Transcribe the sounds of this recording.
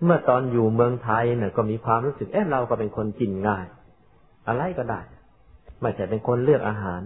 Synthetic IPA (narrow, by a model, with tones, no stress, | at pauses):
mɯ˥˩ɐt̪ɔː˧njuː˨˩mɯ˧əŋt̪ʰa˧jnɯ˥˩ɐkɔː˥˩miː˧kʰwaː˧mɾuː˦˥sɯ˨˩k̚ʔaː˦˥ɾa˧wkɔː˥˩pe˧nkʰo˧nki˧˩nŋaː˧˩j | ʔa˧ɾa˧jkɔː˥˩daː˧˩j | ma˧˩t͡ɕʰa˨˧˩pe˧nkʰo˧nlɯ˥˩ək̚ʔaː˧ɦaː˩˦n